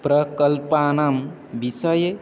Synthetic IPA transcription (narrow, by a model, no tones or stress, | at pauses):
pɾəkəlpanam | bisəje